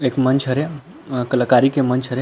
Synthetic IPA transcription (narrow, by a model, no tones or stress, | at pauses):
ekmənt͡ʃʰɦəɾe | kəlakaɾikemənt͡ʃʰɦəɾe